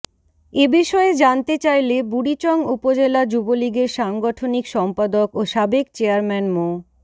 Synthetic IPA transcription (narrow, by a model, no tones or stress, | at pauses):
ebiʃɔed͡ʑant̪et͡ɕajlebuɽit͡ɕɔŋupod͡ʑelad͡ʑuboliɡeɾʃaŋɡɔʈʰonikʃɔmpad̪okoʃabekt͡ɕeaɾmɛnmo